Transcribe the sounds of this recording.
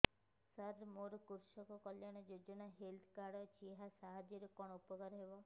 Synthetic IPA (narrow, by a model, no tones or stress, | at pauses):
saɾmoɾɔkuɾʃɔkɔkɔljaɽ̃ɔd͡ʒod͡ʒɔnaɦelt̪ʰkaɽɔt͡ʃʰieɦasaɦad͡ʒɔɾɔkɔɳ̃upɔkɔɾɦebɔ